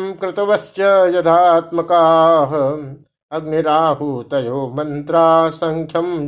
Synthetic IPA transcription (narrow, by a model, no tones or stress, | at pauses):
mkɾɪt̪ɐʋɐst͡ʃɐjɐd̪ʱaːt̪mɐkaːɦɐ̆ | ɐɡniɾaːɦut̪ɐjoːmɐnt̪ɾaːsɐŋkʰjɐm